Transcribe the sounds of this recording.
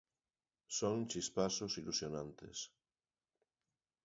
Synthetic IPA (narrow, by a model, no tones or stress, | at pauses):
soŋt͡ʃispasosilusjonãnt̪ḛs